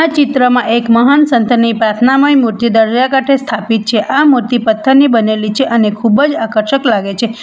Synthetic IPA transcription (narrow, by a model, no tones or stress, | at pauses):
at͡ʃɪt̪ɾəmãʔekməɦansənt̪ʰənipɾat̪ʰnaməimuɾt̪jid̪əɾd͡ʒjakaʈʰest̪ʰapit̪̚t͡ʃʰeʔamuɾt̪ipət̪ʰːənibənelit͡ʃʰeʔənekʰubəd͡ʒakəɾʃəklaɡet͡ʃʰe